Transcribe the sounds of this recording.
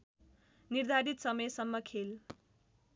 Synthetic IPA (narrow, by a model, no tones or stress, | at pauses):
nird̪ʱaɾit̪sʌmʌjsʌmːʌkʰel